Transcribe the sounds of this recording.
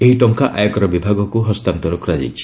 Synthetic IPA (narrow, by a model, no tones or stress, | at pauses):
eɦiʈɔŋkaʔa̰jɔkɔɾɔbibʱaɡɔkuɦɔst̪ant̪ɔɾɔkɾad͡ʒa̰jt͡ʃʰi̥